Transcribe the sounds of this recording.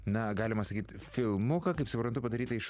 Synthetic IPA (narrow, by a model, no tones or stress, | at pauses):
nɐɡɑːlʲɪmɐsɐkʲiːt̪ | fʲɪlˠmʊkɐkɐɪpsʊpɾɐnt̪ʊpɐd̪ɐɾʲiːt̪ɐɪʃ